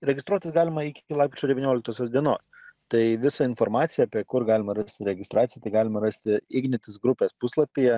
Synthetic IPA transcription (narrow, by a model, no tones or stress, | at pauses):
ɾʲɛɡʲɪst̪ɾuɔt̪ʲɪsɡɑːlʲɪmɐɪkʲɪkʲɪlˠɑːɪpʲet͡ʃʲoːd̪ʲɛʋʲiɪnʲoːlʲɪk̚t̪oːsʲoːsd̪ʲiɛnoːs | t̪ɐɪʋʲɪsɑɪnfoɾmɑːt̪sʲɪjɛɐːpʲiɛkʊɾɡɑːlʲɪmɐɾɐsʲt̪ʲɪɾʲɛɡʲɪst̪ɾʔɑːt̪ʲɪjɛt̪ɐɪɡɑːlʲɪmɐɾɐsʲt̪ʲɪɪɡnʲɪt̪ʲɪsɡɾʊpʲeːspʊslˠɐpʲiːjɛ